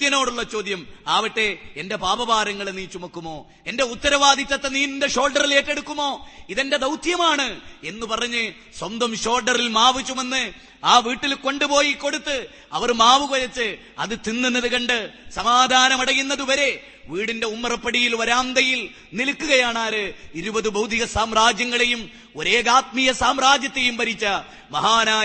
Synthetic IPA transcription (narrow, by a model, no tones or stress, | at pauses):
t̪jɐno̞ːɽuɭːɐt͡ɕo̞ːd̪jɐmaːʋiʈːe̞ende̞baːbɐbaːɾɐŋːɐɭeniːt͡ɕːumɐkːumo̞ː | e̞nde̞ut̪ːɐɾɐʋaːd̪ʱit̪ʲːɐt̪ːe̞niːnindeɕo̞ːlɖɐrile̞ːʈːe̞ɽukːumːo̞ːiðe̞nde̞d̪ɐwt̪ʰjɐmaːɳɨe̞nːupɐrɐɲːɨ | swɐnd̪ɐmɕo̞ːlɖɐrilmaːʋit͡ɕːume̞nːɨ | aːʋiːʈːilko̞ɳɖɨpo̞ːjiko̞ɽut̪ːɨ | ɐ̰ʋɐrmaːʋukɐjɐt͡ɕːɨ | ɐ̰ðɨt̪inːunːɐðɨkɐɳɖɨsɐmaːd̪ʱaːnɐmɐɽɐjunːɐðuʋɐɾe̞ | ʋiːɽinde̞umːɐrɐpːɐɽijilʋɐɾaːnd̪ɐjil | nilkːuɣɐjaːɳaːɾɨiɾubɐðɨbɐwd̪ʱiɣɐsaːmraːd͡ʑjɐŋːɐɭe̞jum | oɾe̞ːɣaːt̪̚mijɐsaːmɾaːd͡ʑjɐt̪ːejumpɐɾit͡ɕːɐ | mɐɦaːnaː